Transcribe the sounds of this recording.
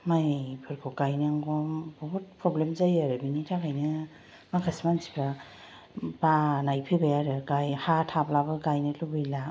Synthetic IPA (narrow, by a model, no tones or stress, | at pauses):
majpʰɯɾkʰɔkajnaŋɡɔbɔɦut̚pʰɾɔblemzajaɾɯbinitʰakʰajnɯ | makʰasmansi̥pʰɾa | banajpʰɯjbajaɾɯɡajhatʰaplabɯɡajnɯlubɯjla